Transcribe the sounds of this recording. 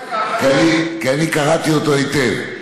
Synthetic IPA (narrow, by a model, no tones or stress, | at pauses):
kanikeanikaɣat̪iot̪oit̪ev